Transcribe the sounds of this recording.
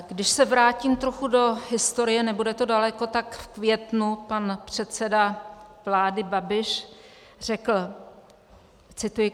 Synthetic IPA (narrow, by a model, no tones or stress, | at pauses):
ɡdɪʃsɛvɾaːcimt̪ɾoxudo̞ɦɪst̪o̞ɾɪjɛnɛbudɛt̪o̞dalɛko̞t̪akfkvjɛt̪nupanpr̝̥ɛt̪sɛdavlaːdɪbabɪʃ | r̝ɛkl̩ | t͡sɪt̪ujɪ